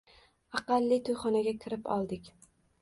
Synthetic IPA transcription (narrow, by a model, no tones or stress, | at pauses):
ɑqɑlˠːit̪ʰojχɒnaɡʲakʲʰɪɾɪpɒ̰lˠd̪ɪkʲ